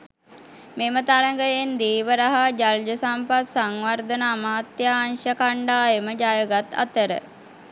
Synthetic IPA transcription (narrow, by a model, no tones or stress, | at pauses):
memət̪aɾəŋɡəjend̪iːʋəɾaɦad͡ʒald͡ʒəsampat̪saŋʋard̪ənaːmaːt̪jaːnʃəkaɳɖaːjəməd͡ʒaːjəɡat̪a̰t̪əɾə̰